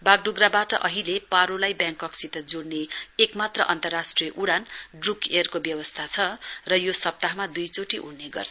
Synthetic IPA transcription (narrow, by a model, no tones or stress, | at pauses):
baɡ̚ɖuɡrabaʈʌ̰ʔʌɦilepaɾolajbjãŋkːʌksʰit̪ʌd͡zoɽneekmat̪rʌ̰ʔʌnt̪ʌrasʈrijʌʔuɽanɖrukerkobjʌwʌst̪ʰat͡sʰʌrʌjosʌp̚t̪aɦmad̪ujt͡soʈiʔunːeɡʌ̰rt͡sʰ